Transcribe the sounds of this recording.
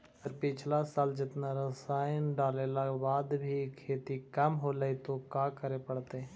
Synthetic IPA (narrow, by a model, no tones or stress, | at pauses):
əɾpɪt͡ʃʰlasaːld͡ʒɪt̪naɾəsaːjənɖaːlelabaːd̪bʱikʰːeːt̪ikəmɦolait̪okãːkəɾepəɽt̪ɛ